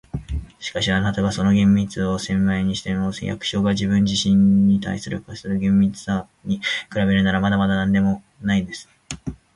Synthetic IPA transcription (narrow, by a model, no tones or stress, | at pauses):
ɕi̥kaɕiant̪at̪oβaso̞no̞ɡẽ̞mːʲit͡sɨo̞sẽ̞mːaiɲ̟iɕi̥t̪enoːsḛja̰kɯ̟̥ɕo̞ːɡaʑibɯ̟̃ɲ̟d͡ʑiɕĩɲːit̪a̰isɨɾɯ̟kasɨɾɯ̟ɡẽ̞mːʲit͡sɨ̥sa | ɲ̟ikɯ̟ɾabe̞ɾɯ̟naɾamad̪amad̪anãnd̪e̞mo̞ | naid̪e̞sɨ̥